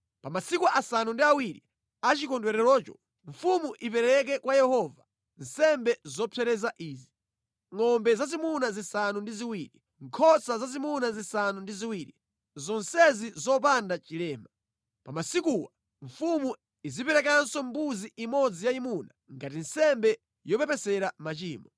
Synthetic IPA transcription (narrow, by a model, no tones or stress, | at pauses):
pamasikuʔasanundiawiɾi | at͡ʃikɔndwɛɾɛlɔːt͡ʃɔ | ɱfumuʔip̬ɛɾɛk̬ɛkwajɛhɔva | n̩sɛmbɛzɔpʰɛɾɛzaʔiːzi | ŋɔmbɛzazimunazisanundiziwiːɾi | ŋkʰɔsazazimunazisanundiziwiːɾḭ | zɔnsɛzizɔp̬andat͡ʃilɛːma | pamasikuːwa | ɱfumu | izipɛɾɛk̬ansɔmbuziʔimɔd͡zijaimunaŋɡat̬insɛmbɛ | jɔpɛpɛsɛɾamat͡ʃiːmɔ